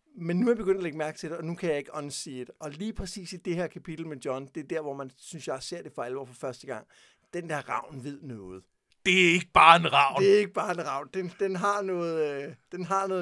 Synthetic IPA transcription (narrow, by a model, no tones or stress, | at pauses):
menːuæɐbe̝ɡ̥øn̰d̥æleɡ̥mæɐɡ̥̚t͡sʰe̝d̥e̝ɒ̽nukʰæjɑ̈e̝ɡ̥əʔɒ̽nsiːe̝d̥ɒ̽liːpʰʁɛsḭːsid̥e̝hæɐ̰kʰæpʰid̥l̩medjɒ̽nd̥e̝d̥æɐ̰ʋɒmænsynsjɑ̈se̝ɐ̰d̥e̝fɒælʋɒ̰ːfɒ̽fɶɐsd̥əɡ̥ɑ̈ŋ̰ | d̥end̥æɐ̰ʁɑ̈ʊ̰nʋe̝ð̞̰ˠnɔːð̞̩ˠ | d̥e̝æe̝ɡ̥əb̥ɑ̈ːe̝nʁɑ̈ʊ̰de̝æe̝ɡ̥əb̥ɑ̈ːe̝nʁɑ̈ʊ̰nd̥end̥enɦɑ̈nɔ̽ːð̩ˠd̥enɦɑ̈nɔ̽ː